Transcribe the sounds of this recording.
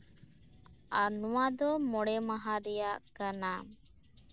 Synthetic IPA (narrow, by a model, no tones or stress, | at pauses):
anɔwad̪ɔmɔɽɛmaɦaɾɛjaʔkana